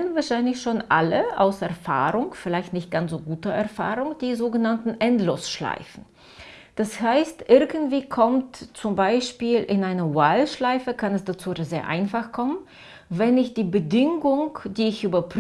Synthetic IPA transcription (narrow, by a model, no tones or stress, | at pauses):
ənvaɐʃaɪnlɪçʃoːnʔaləʔa̰ʊsʔɛɐfa̰ːʁʊŋfɪlaɪçtnɪçt̚ɡ̥ant͡sz̥oːɡuːtɐʔɛɐfa̰ːʁʊŋd̥iːzoːɡənantn̩ʔɛntloːsʃla̰ɪfn̩ | d̥ashaɪstʔɪɐɡn̩tv̥iːkʰɔmtt͡sʊmbaɪʃpiːlʔɪnʔaɪnɐwalʃlaɪfəkʰanɛsd̥at͡suːzeːɐʔa̰ɪnfaχkʰɔmən | vɛnɪçtd̥iːbədɪŋʊŋd̥iːɪçʔyːbɐpʁ